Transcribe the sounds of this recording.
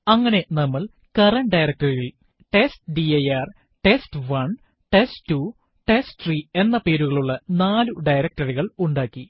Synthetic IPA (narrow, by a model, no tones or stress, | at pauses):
ɐŋːɐne̞nɐmːɐɭ | kɐrɐɳɖɐjɾɐk̚ʈɐriɣil | ʈe̞stɖiɐjaːr | ʈestʋɐn | ʈestːu | ʈesʈriːe̞nːɐpeːɾuɣɐɭuɭːɐnaːluɖɐjɾɐk̚ʈɐriɣɐɭuɳɖaːkːi